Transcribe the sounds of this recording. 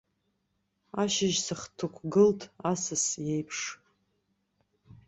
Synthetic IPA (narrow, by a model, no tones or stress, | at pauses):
aʃɪʒsɨχtʰukʷʰɡɨltʰasɨsjejpʰʂ